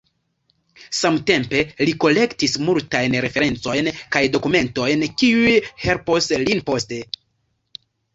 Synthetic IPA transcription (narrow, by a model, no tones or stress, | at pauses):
samte̞mpe̞liko̞le̞ktismultajnɾe̞fe̞ɾe̞nt͡so̞jnkajdo̞kume̞nto̞jnkiujhe̞lpo̞slinpo̞ste̞